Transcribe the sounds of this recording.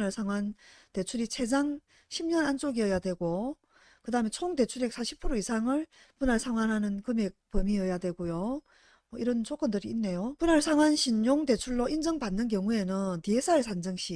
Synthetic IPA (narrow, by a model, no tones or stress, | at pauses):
naɭsʰaŋwante̞t͡ɕʰuɾit͡ɕʰe̞d͡ʑaŋ | ɕʰimɲʌnant͡ɕ͈oɡiʌjadwe̞ɡo | kɯdaɦɯme̞t͡ɕʰoŋdte̞t͡ɕʰuɾeks͈ʰaɕʰi̥pʰɯɾoisʰaŋɯɭ | punaɭsʰaŋwanɦanɯnkɯmek̚pʌmiʌjadwe̞ɡojo | ʌiɾʌnt͡ɕok͈ʌndɯɾiːnːe̞jopunaɭsʰaŋwanɕʰiɲːoŋte̞t͡ɕʰuɭːoind͡ʑʌŋbanːɯnk̬jʌŋue̞nɯntiesʰaɯɭsʰand͡ʑɯŋɕ͈ʰi